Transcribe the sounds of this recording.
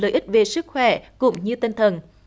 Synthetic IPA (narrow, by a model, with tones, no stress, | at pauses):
ləː˨jʔi˦˥t̟̚ve˨˩sɨ˦˥k̚xwɛ̰˧˩kʊ̰˧˥ŋ͡mɲɨ˧t̪i˧nt̪ʰə˨˩n